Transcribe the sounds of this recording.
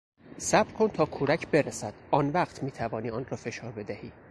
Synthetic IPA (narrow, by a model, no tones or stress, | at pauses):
sæbɾkʰont̪ʰɒːkʰuɾæcʰbe̞ɾesæd̪̥ɒːnvæːqt̪ʰmiːt̪ʰævɒːniːɒːnrɒːfe̞ʃɒːɾbe̞d̪æhiː